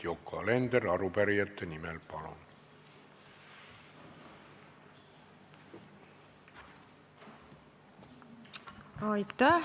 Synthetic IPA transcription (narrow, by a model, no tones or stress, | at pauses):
jokʰːɑlend̪erɑɾupæɾijæt̪ːenimelpɑlo̰n | ɑjt̪ːæ